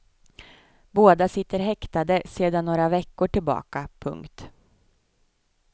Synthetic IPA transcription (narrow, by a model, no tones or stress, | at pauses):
boːd̪asɪt̪ːəɾɦɛkt̪ad̪əseːd̪anːoːɾavɛkːʊʈɪlbɑ̰ːkapʰɵ̰ŋkt̪